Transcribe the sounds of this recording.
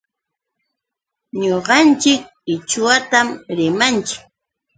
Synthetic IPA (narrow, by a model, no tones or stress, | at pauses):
ɲoɢɑnt͡ʃɪk̚ | ɪt͡ʃʊwat̪amɾɪmant͡ʃɪ̥k̚